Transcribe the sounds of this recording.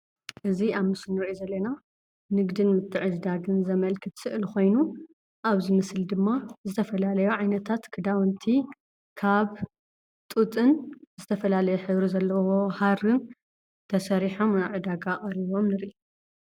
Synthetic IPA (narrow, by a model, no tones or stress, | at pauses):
ʔɨziaβmɨsɨnːɨɾʔizɐlːɐna | nɨɡd̪ɨnmɨt̪ʰːɨʕɨd͡ʒd̪aɡɨnzɐmɐlkʰɨt̪sɨʔɨlxo̞jnu | ʔaβzɨmɨsld̪ɨmːazɨt̪ʰɐfɐlalɐjoʕajnɐt̪ʰat̪kʰɨd̪awɨnt̪ʰi | kʰaβ | t̪ʼut̪ʼɨnzɨt̪ʰɐfɐlalɐjeħɨβɾizɐlːɐwo̞haɾɨn | t̪ʰɐsɐɾiħo̞mʕɨd̪aɡaχʼɐɾiβo̞mnɨɾʔi